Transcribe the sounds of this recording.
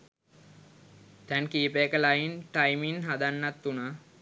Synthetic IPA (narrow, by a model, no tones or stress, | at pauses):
t̪ɛnkiːpekəlajinʈajminɦad̪anːat̪ːunaː